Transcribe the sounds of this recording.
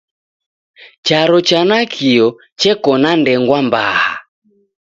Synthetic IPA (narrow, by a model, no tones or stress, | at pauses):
t͡ʃaɾɔt͡ʃanakʰiɔ | t͡ʃɛkɔnandɛŋɡwamba̰ha̰